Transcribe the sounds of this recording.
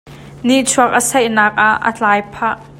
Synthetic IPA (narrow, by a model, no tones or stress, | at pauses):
niʔt͡sʰuɐk̚ʔəsɐjʔnaːk̚ʔaʔːə̰t͡ɬaːjpʰaʔ